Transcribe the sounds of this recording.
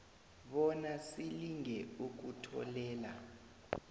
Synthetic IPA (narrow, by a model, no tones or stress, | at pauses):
ɓɔnasiliŋʱɛuk̬utʰɔ̰lɛːla